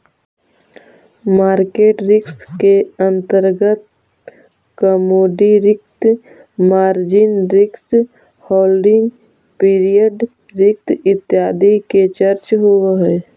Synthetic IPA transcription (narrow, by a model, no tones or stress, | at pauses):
maːɾkeːʈɾɪkskeə̃nt̪əɾɡət̪ | kəmoːɖiɾɪk̚t̪ | maːɾd͡ʒɪnɾɪks | hɔːlɖɪ̃ŋɡ | piːɾijəɖ | ɾɪk̚t̪ɪt̪jaːd̪iket͡ʃəɾt͡ʃɦueɦɛ